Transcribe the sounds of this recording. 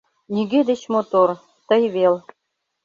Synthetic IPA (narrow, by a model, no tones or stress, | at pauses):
nʲiɡed̪ĕt͡ɕmot̪or | t̪ɤ̆jβel